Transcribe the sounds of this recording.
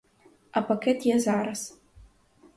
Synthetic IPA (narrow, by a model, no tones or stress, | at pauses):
apɐkʲɛtʰjɛzaːɾɐs